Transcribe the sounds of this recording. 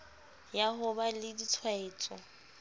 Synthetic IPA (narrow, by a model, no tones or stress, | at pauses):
jaɦʊbalɪdit͡sʰwaɪːt͡sʼɔ̰